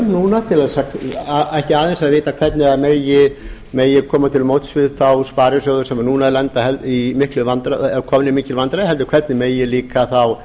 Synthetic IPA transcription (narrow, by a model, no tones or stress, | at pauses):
nuːnat̪ʰɪlɛsakɛhcɪaːðɛnsaðveːt̪akʰvɛɾt̪nɪaðmeːjɪ | meːjɪkʰɔːmat̪ʰɪlmowt̪svɪðθawspaːɾjɪsowðʏsɛmaɾnuːnaðlɛnt̪ahɛlt̪imɪhklʏvant̪ɾaɛkʰɔːmɪnimiːcɪlvant̪ɾaðɦɛlt̪ʏ̥kʰvɛɾt̪nɪmeːjɪliːkaθaw